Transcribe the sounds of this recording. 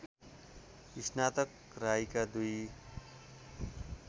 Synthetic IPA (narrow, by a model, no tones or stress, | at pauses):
kisnat̪ʌk | rajkad̪uj